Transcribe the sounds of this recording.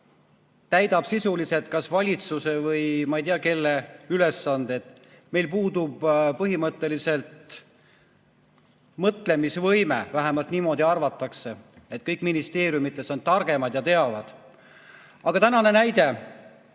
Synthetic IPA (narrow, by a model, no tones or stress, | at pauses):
t̪æjd̪ɑb̥sisuliset̪̚kɑsvɑlʲit̪suse̞vɤjmɑejt̪iɑke̞lːeyle̞sːɑnd̪eet̪ | me̞jlpuːd̪̥ub̥pɤɦimɤt̪ːˑe̞lise̞lt̪ | mɤt̪le̞misvɤjmḛvæɦæmɑlt̪niːmo̞ːd̪iɑrvɑt̪ːˑɑkse̞et̪̚ˑkɤjkːˑminist̪e̞ːɾjumit̪ːˑe̞sont̪ɑrɡ̥e̞mɑd̪̥jɑt̪e̞ɑvɑd̪̥ | ɑɡ̥ɑt̪ænɑne̞næjd̪̥e̞